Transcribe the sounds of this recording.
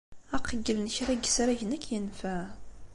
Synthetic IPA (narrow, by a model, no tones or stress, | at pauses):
æqʰːəɡəlnçɾæɡsɾæʝnəkʰjənfæ